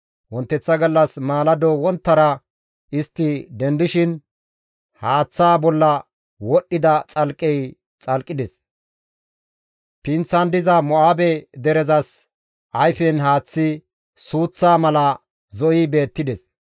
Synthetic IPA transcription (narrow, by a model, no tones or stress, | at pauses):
wɔnt̪ːɛt͡sːɐɡɐlːɐsmaːlɐd̪ɔwɔnt̪ːɐɾɐ | ɪst̪ːɪd̪ɛnd̪ɪʃɪn | haːt͡sːaːbɔlːɐ | wɔɗːɪd̪ɐt͡sʼɐlkʼɛj | t͡sʼɐlkʼːɪd̪ɛs | pɪnt͡sːɐnd̪ɪzɐmɔaːbɛd̪ɛɾɛzɐs | ʔɐjfɛnɦaːt͡sːɪ | suːt͡sːaːmɐlɐ | zɔʔɪbe̞ːt̪ːɪd̪ɛs